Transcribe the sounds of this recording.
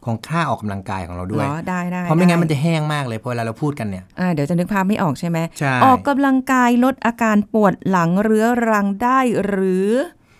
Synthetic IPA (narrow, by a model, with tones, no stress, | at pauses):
kʰoː˧˦ŋkʰaː˥˩ʔɔː˨˩kːa˧mla˧ŋka̰ː˧jkʰɔː˩˦ɾa˧wdu˥˩əjdaː˥˩jdaː˥˩jɔ˦mi˧˥ŋa˦˥ma˧nt͡ɕa˨˩ɦɛː˥˩ŋmaː˥˩k̚lɤː˧jʰɔ˧weː˧lːaː˧ɾa˧wpʰuː˥˩t̪̚ka˧nːi˥˩ɐʔaː˧˩di˨˦wt͡ɕa˨˩nɯ˦˥k̚pʰaː˥p̚ma˥˩ʔɔː˨˩k̚t͡ɕʰa˥˩jma˦˥jt͡ɕʰa˥˩ʔɔː˨˩kːa˧mla˧ŋkaː˧jlo˦˥t̪̚ʔaː˧kaː˧npu˨˩ət̪̚la˩˦ŋɾɯ˦˥ɐɾa˧˥ŋdaː˥˩jɾɯː˩˦